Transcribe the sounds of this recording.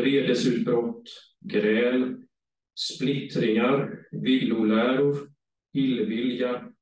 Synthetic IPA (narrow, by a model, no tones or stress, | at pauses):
ɾeːd̪əsʉ̟ːt̪̚bɾɔt̪ː | ɡɾɛːl | splɪt̪ɾɪŋaɾvɪlːʊlæːɾʊɾ | hɪlvɪlja